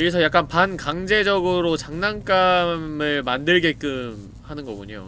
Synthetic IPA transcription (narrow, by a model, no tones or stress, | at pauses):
ɯɾis̬ʰʌjak͈̚anpankaŋd͡ʑe̞d͡ʑʌɡɯɾot͡ɕaŋnaŋk͈amɯɭmandɯɭɡe̞k͈ɯm | hanɯnɡʌɡuɲo̰